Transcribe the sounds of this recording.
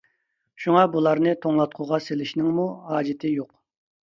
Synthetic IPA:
ʃuŋɑbulˠɑɾnɨt̪ʰoŋlˠɑt̪̚qʰʊʁɑselɪʃnɪŋmuhɑːd͡ʒɪt̪ʰɪjoq

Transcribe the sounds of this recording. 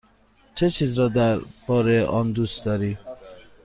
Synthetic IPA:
t͡ʃʰet͡ʃʰiːzɾɒːd̪æɾb̥ɒːɾeʔɒːnd̪ust̪d̪ɒːɾiː

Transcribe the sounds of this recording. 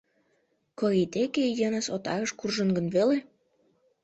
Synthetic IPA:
koit̪ekejənəsot̪ɑɣəʃkurʒənɡə̆nβele

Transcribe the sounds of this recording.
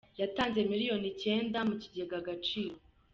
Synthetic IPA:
jataːnze̞miɾijo̞nice̞ːndamuciɟeeɡaɡat͡ʃiːɾo̞

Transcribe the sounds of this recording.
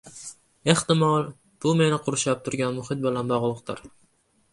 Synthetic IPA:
e̞ht̪ɪmɒlˠ | b̥ʊme̞nɪqʰʊɾʊʃap̚t̪ʰʊɾɡʲanmʊhɪt̪̚bɪlanbɒʁlˠɨq̚t̪ɪ̰ɾ

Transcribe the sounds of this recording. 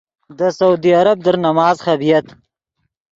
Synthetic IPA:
d̪əsaud̪iaɾab̚d̪əɾnamɑːzxabijat̪

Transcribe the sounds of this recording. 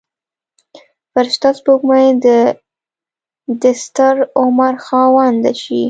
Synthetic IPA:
paɾʃt̪ɑspoɡmajd̪ə | d̪ɪst̪aɾʊmaɾxɑwɑnd̪aʃi

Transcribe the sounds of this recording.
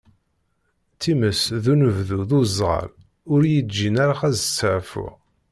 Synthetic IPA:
t̪ːiməsðunəvðuðuzˤʁə̰l | ʊɾjəd͡ʒːinæɾaχæzt͡sːəʕfʊ̰ʁ

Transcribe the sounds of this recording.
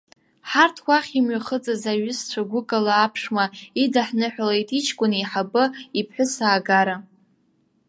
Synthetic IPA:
ħartʰwʷaχʲimɥaχət͡sʼazaɥʊst͡ɕʷʰaɡʷʊkʼalaːpʰʂmaidaħnɨħʷᶣalejtʼit͡ʃʰkʷʼʊniħabɨipʰħʷᶣʊsaːɡaɾa

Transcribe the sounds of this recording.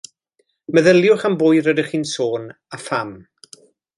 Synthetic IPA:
məðəljʊχambʊjɾədɪχiːnsoːn | afam

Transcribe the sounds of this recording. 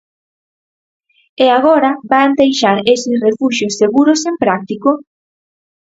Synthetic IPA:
eaɣɔɾɐband̪ejʃaɾesɪsrefuʃjosːeɣuɾosempɾak̚t̪iko

